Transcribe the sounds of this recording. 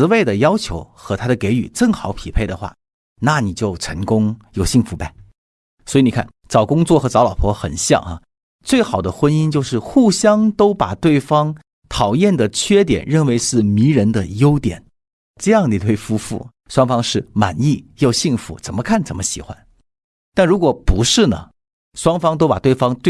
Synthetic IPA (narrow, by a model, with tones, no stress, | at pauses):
ɹ̩˧˥we˥˩ɪd̪ə˩jɑ˥ʊt͡ɕʰjo˧˥ʊxɤ˧˥t̪ʰa˥ɾə˨ke˧˥ɪy̰˨˩ʈ͡ʂɤ˥˩ŋxɑ˨˩˥ʊpʰi˨˩pʰe˥˩ɪd̪ə˩xwa̰˥˩ | na˥˩ni˨˩t͡ɕjo˥˩ʊʈ͡ʂʰɤ˧˥ŋkʊ˥ŋjo˥˨˩ʊɕi˥˩ŋfu˧˥pa˧˩ɪ | swɔ˧˥i˧˥ni˨˩kʰa̰˥˩nt͡sɑ˨˩ʊkʊ˥ŋt͡swɔ˥˩xɤ˧˥t͡sɑ˧˥lɑ˨˩pʰwɔ˧˥xə̰˨˩nɕjɑ̰˥˧˩ŋɐ̰˩ | t͡swe˥˩ɪxɑ˨˩ʊd̪ə˦xwə˥ni˥nt͡ɕjo˥˧ʊʂɻ̩˥˧xu˥˩ɕjɑ˥ŋt̪o˥ʊpa˨˩t̪we˥˩ɪfɑ˥ŋ | t̪ʰɑ˨˩ʊjɛ˥˩nd̪ə˩t͡ɕʰɥɛ˥t̪jɛ̰˨˩nɻə˥˩nwe˧˥ɪʂɻ̩˥˩mi˧˥ɻə˧˥nd̪ə˧jo˥ʊt̪jɛ̰˨˩˦n | ʈ͡ʂɤ˥˧jɑ˥˩ŋni˨˩t̪ʰwe˥˩ɪfu˥fṵ˥˩ | ʂwɑ˥ŋfɑ˥ŋʂɻ̩˥˩ma̰˨˩ni˥˩jo˥˧ʊɕi˥˩ŋfṵ˧˥t͡sə˨˩mə˦kʰa˥˩nt͡sə˨˩mə˦ɕḭ˨˩xwa̰˧˥n | t̪a˥˩nɻu˧˥kwɔ˨˩pu˧˥ʂɻ̩˥˩nə̰˩ | ʂwɑ˥ŋfɑ˥ŋt̪̬o˥ʊpa˨˩t̪we˥˩ɪfɑ˥ŋt̪we˥